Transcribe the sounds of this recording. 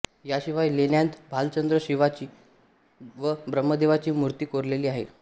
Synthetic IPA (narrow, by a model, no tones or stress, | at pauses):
jaɕiʋajlenjant̪bʱalt͡ɕənd̪ɾəɕiʋat͡ɕiː | ʋəbɾəmːəd̪eʋat͡ɕiːmuɾt̪iːkoɾleliːaɦḛ